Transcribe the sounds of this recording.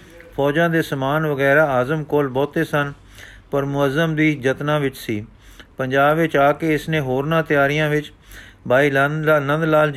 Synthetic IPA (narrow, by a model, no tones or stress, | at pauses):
pʰɔːd͡ʒãːd̪eːsəmaːnʋəɡɛːɾaːaːzəmkoːlbɔːt̪eːsən | pəɾmʊəzəmd̪iːd͡ʒət̪nãːʋɪt͡ʃsḭː | pəɲd͡ʒaːbʋɪt͡ʃaːkeːɪsnẽːɦoːɾnãːt̪ɪjaːɾɪjãːʋɪt͡ʃ | bʱaːiːlənə̃nd̪laːl